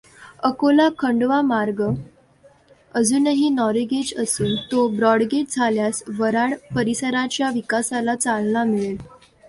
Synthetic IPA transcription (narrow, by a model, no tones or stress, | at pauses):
əkolakʰəɳɖʋamaɾɡə | əd͡zuːnəɦiːnɔɾiɡed͡ʑəsuːnt̪obɾɔɽɡeʈ̚d͡zʱaljasʋəɾaɽpəɾisəɾat͡ɕjaʋikasalat͡salnamiɭel